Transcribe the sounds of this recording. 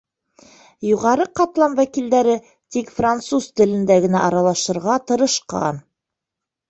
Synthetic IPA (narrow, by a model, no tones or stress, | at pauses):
juʁɑɾɤqɑt̪lˠɑmwækild̪æɾɘ | t̪ikfrant̪suzt̪ɘ̆lɘ̆nd̪æɡɘ̆næʔɑɾɑlˠɑʃɤ̆ɾʁɑt̪ɤ̆ɾɤ̆ʃqɑ̰n